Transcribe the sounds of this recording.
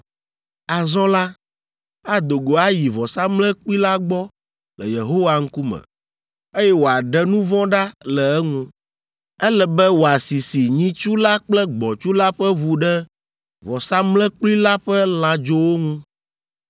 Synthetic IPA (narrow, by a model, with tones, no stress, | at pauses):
a˨zɔ̃˦la˦ | a˦d̪o˨ɡo˨a˦ji˨vɔ˨sa˦mlɛ̃˦k͡pli˦la˦ɡ͡bɔ˦ | lɛ˨je˨ɦo˦wa˦ŋ̩˦ku˦mɛ̰̃˨ | e˦jɛ˦wo˨a˨ɖɛ˦nũ˦vɔ̃˦ɖa˦lɛ˨ɛ˦ŋũ˦ | ɛ˦lɛ˨bɛ˦wo˨a˨si˨si˨ɲĩ˦t͡ʃu˦la˦k͡plɛ˦ɡ͡bɔ˨t͡ʃu˦la˦ɸɛ˦βu˨ɖɛ˦ | vɔ˨sa˦mlɛ̃˦k͡pli˦la˦ɸɛ˦l̃ã˨d͡ʒo˦wo˦ŋũ˦